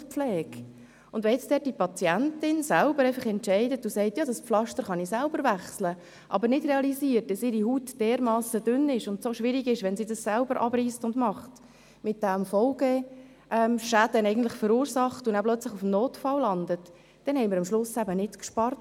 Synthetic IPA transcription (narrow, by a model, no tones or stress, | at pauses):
fpflɛːk | ʊndʋɛjɛt͡sd̥ɛːt̚d̥ipɑt͡siæntɪnsælbəɾɛɪfɑχɛntʃɛɪdətʊsɛɪtjɑːdɑspflɑʃtəɾχɑnisælbəɾvæχslə | ʔɑ̰bəɾnɪdrɛɑlisiːət̚d̥ɑsɪɾihuːtd̥ɛːɾmɑːsəd̥ʏnɪʃʊntsoʃʋɪɾiɡɪʃʋɛnsiːdɑssælbəɾʔɑ̰bɾiːstʊndmɑχt | mɪt̚d̥æmfɔlɡə | ʔɛmʃæd̥ənɛɪɡən̩tlɪχfəɾuːɾsɑχtʊnaplœt͡slɪχʊfmnoːtfɑllɑnd̪ət | d̥ɛnhɛɪmɪɾɑmʃlʊsæbənɪtkʃpɑrt